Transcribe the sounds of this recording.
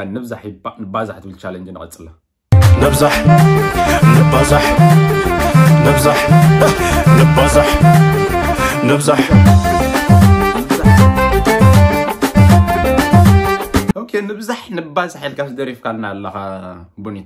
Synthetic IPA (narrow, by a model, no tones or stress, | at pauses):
anɨβzaħbnɨbazaħt̪ʰɨbɨlt͡ʃʰalɐnd͡ʒnɨkʼɐ̰t͡sʼɨla | nɨβzaħ | nɨbazaħ | nɨβzaħ | nɨbazaħ | nɨβzaħ | nɨzaħ | ʔokʰenɨβzaħnɨbazaħilkʰasɨd̪ɐɾifkʰalɨnalːɐxa | bunit̪